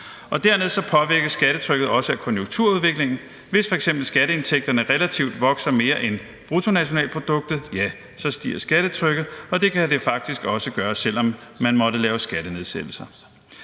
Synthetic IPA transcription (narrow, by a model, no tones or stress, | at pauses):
ʔɒ̽d̥æɐmeð̞ˠsɒ̽pʰɒ̽ʋiɐɡ̥əsɡ̥æɾət͡sʰʁœɡ̥ð̞̩ˠɒ̽səækʰɒ̽njoŋt͡sʰuɐ̰uðˠʋe̝ɡ̥le̝ŋn̩ | ʋe̝sfɒ̽e̝ɡ̥semb̥l̩sɡ̥æɾəe̝nt͡sʰeɡ̥̚d̥ɐnəʁɛlæt͡sʰiʊd̥ʋɒ̽ɡ̥sɐme̝ːɐʔen | b̥ʁut͡sʰo̝næɕo̝nɛ̰ːl̚pʰʁod̥ɔ̽ɡ̥̚d̥ð̩ˠjæ | sɒ̽sd̥ḭːɐsɡ̥æɾ̥ət͡sʰʁœɡ̥ð̩ˠɒ̽d̥e̝kʰæd̥e̝fɑ̈ɡ̥̚d̥isɡ̥ɒ̽səɡ̥ɶːɐsel̰ɒ̽mːænmɒ̽ɾəlɛːʊsɡ̥æɾ̥əne̝ðˠsed̥l̩sɐ